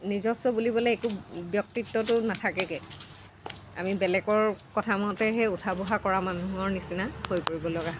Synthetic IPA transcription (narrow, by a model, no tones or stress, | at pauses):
nizɔsɔbulibɔleekubjɔk̚titːɔtʊnatʰakɛkɛ | a̰mibɛlɛkɔɹkɔtʰamɔtɛɦɛutʰabuɦakɔɹamanuɦɔɹnisinahojpoɹibɔlɔɡa